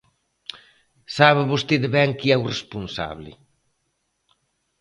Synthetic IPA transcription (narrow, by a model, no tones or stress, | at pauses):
saβɪβost̪eðβɛŋkiɛwrespunsa̰βlɪ̰